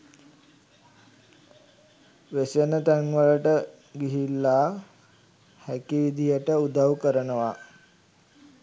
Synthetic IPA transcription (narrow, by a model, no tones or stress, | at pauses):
ʋesənət̪æŋʋəɭəʈə | ɡiɦilːa | hækiʋid̪ʱijəʈəud̪ʱawkəɾənəʋa